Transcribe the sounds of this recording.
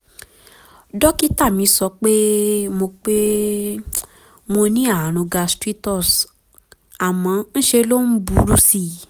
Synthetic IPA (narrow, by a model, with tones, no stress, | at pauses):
dɔ˦ki˦ta˦˨mĩ˨˦sɔ˧˦k͡pe˦mo˧k͡pe˦ | mo˧nĩ˦a˦˨a˨ɾ̃ũ˧ɡa˧stɾi˦tɔ˦˨s | a˨mã˨˧n̩˦ʃe˧lo˦n̩˦bu˨˦ɾu˦si˦˨